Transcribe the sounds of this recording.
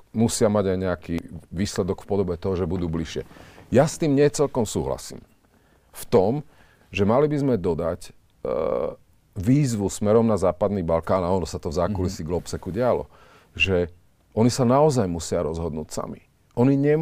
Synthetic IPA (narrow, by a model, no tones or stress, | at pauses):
musɪamaɟajɲɛakiːʋiːslɛd̪ɔkfpɔd̪ɔbɛt̪ɔɦɔʒɛbud̪uːbliʃɪɛ̰jast̪iːmɲɪɛt͡sɛlkɔmsuːɦla̰sḭːm | ft̪ɔm | ʒɛmalibizmɛd̪ɔd̪ac | ʋiːzʋusmɛɾɔmnazaːpad̪niːbalkaːnaɔnɔsat̪ɔvzaːkulisiɡlɔpsɛkuɟɪalɔ̰ | ʒɛ | ɔnisanaɔzajmusɪaɾɔzɦɔd̪nṵːcsa̰mḭ | ɔniɲɛm